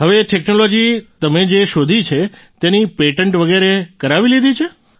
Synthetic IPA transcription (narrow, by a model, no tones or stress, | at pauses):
ɦəʋeʈeknolod͡ʒit̪əmed͡ʒeʃod̪ʱit͡ʃʰe | t̪enipeʈəɳʈʋəɡeɾekəɾaʋilid̪ʱit͡ʃʰe